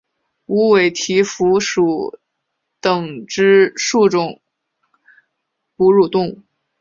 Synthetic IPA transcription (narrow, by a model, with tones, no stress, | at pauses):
u˧˥we˨˩ɪt̪ʰi˧˥fu˧˥ʂu˧˩˦ | t̪ɤ˨˩ŋʈ͡ʂɻ̩˥ʂu˥˩ʈ͡ʂʊ˨˩ŋ | pu˧˥ɻu˥˩t̪ʊ˥˧ŋ˥